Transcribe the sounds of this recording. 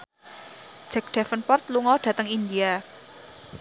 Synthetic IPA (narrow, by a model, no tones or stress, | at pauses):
d̥ʒ̥ɛ̤k̚ɖ̥ɛfənpɔrt̪luŋɔɖ̥ä̤t̪əŋind̪ia